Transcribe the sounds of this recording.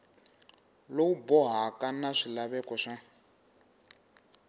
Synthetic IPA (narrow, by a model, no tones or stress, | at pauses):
lowubɔɦakʼanaʂilaβɛkʼɔʂɛ